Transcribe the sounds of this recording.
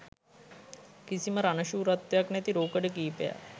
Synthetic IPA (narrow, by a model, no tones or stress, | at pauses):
kisiməɾanəʃuːɾat̪ːejaknæt̪iɾoːkəɖəkiːpeja̰